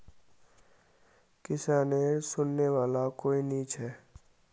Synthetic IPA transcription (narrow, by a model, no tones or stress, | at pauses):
kɪsaːnesʊnːeʋaːlakoːiniːt͡ʃɦɛː